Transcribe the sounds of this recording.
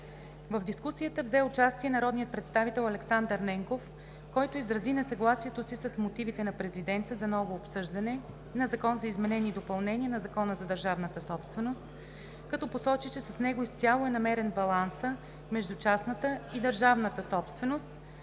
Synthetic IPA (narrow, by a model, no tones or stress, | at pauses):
vəvd̪iskusijət̪əvzɛʊt͡ʃast̪iɛnɐɾɔd̪nijət̪̚pɾɛt̪st̪avit̪ɛlˠɐlɛksand̪əɾnɛŋkof | kɔjt̪oizɾɐzinɛsɐɡlˠasiɛt̪osisɐsmot̪ivit̪ɛnɐpɾɛzid̪ɛnt̪əzɐnɔvoːpsɤʒd̪ɐnɛ | nɐzɐkɔnzɐizmɛnɛniːd̪opɐlˠnɛniənɐzɐkɔnəzɐd̪əɾʒavnət̪əsɔpst̪vɛnost̪ | kɐt̪ɔposɔt͡ʃit͡ʃɛsɐsnɛɡoist̪sʲalˠoɛnɐmɛɾɛnbɐlˠansə | mɛʒd̪ut͡ʃasnət̪əid̪əɾʒavnət̪əsɔpst̪vɛnost̪̚